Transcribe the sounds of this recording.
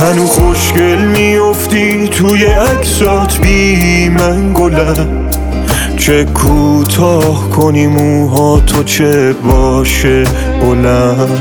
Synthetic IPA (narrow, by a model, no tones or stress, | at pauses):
hænuχoʃkelmijoft̪i | t̪ʰujeækʰsɔːt̪ʰbiːɦimæŋɡolæɾ | t͡ʃʰekʰuːt̪ʰɒːhkʰoniːmu | ɦɒːt̪ʰot͡ʃʰebɒːʃe | bolæ